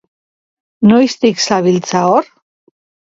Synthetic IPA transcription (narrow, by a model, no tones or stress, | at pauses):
nojst̪iksaβilt͡saoɾ